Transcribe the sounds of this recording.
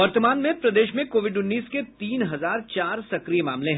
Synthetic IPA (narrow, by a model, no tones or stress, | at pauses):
ʋɐɾt̪əmaːnmẽpɾɐd̪eːʃmẽkoːʋɪɖʊnːiːsket̪iːnɦɐzaːɾt͡ʃaːɾsɐkɾijemaːmlẽɦɛ̃